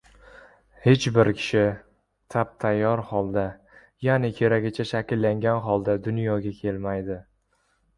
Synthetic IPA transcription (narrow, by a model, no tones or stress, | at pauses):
he̞t͡ʃbɪɾkʲʰɪ̥ʃɪ | t̪ʰap̚t̪ʰajːɒɾhɒlˠd̪a | janɪkʲʰe̞ɾaɡʲɪt͡ʃʰaʃakʲɪlːaŋɡʲanɦɒlˠd̪ad̪ʊnjɒɡʲakʲʰe̞lmajd̪ɪ